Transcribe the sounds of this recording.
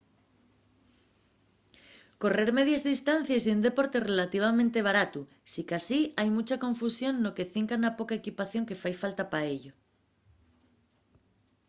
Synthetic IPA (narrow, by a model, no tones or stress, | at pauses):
ko̞re̞ɾme̞ð̞jazðist̪an̟θjasiund̪e̞po̞ɾt̪e̞re̞lat̪iβ̞amẽnt̪e̞β̞aɾat̪u | sikasiajmut͡ʃako̞ɱfusjo̞nːo̞ke̞θiŋkanapo̞kaekipaθjo̞ŋke̞fajfalt̪apaeʎo